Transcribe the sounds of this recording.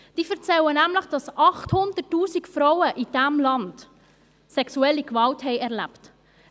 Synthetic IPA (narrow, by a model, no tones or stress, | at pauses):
d̥iːfɛɾt͡sɛlənæmləχd̥ɑsɑχthʊnd̥ətːuːsikfɾɔʊəʔid̥æmlɑnd | sɛksuɛlːikvɑlthɛɪɛʁlæ̰pt